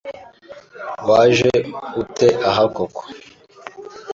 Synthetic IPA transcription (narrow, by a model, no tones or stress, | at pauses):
waːʒeutʰeʔaɦakoko̥